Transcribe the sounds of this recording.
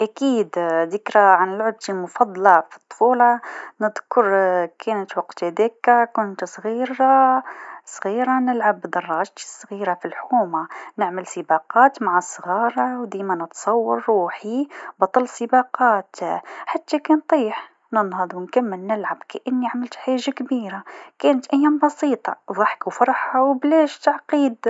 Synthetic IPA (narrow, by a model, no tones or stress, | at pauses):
ʔakiːd̪d̪ɪkɾaʕanɪlʕab̚t̪ilmʊfɑd̪ˤlɑfi̥t̪ˤːfuːlɑnəd̪kʊɾˤkʰɛːnət̪wɑqt̪hæd̪eːkkʊnt̪sˤɣiːɾa | sˤɣiːɾanɪlʕabːd̪ɑrˤːɑːʒt̪i̥sˤːɣiːɾafilħkuːmanɪʕməlsˤəbɑqɑːt̪maʕasˤɣɑːɾˤɑwd̪iːmænət̪sˤɑwːɑɾˤːuːħibɑt̪ˤɑlsˤəbɑqɑːt̪ħat̪ːakɛnt̪ˤiːħ | nənhɑðˤwnkamːəlnɪlʕabkæʔɪnːiʕamɪlt̪ħaːʒakbiːɾakæːnət̪ʔæjːæːmbɑsiːt̪ˤɑ̰ðˤɑħkuwfɑɾˤħawblæːʃt̪aʕqiːd̪